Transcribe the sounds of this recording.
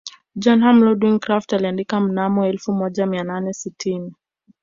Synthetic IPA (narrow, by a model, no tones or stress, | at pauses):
d͡ʒɔnɦamlɔdwiŋkɾaftaliandikam̩namɔɛlfumɔʄamiananɛsitʰini